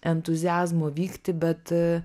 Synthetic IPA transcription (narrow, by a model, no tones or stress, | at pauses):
ɛnt̪ʊzʲɪæːzmoːʋʲiːkt̪ʲɪbʲɛt̪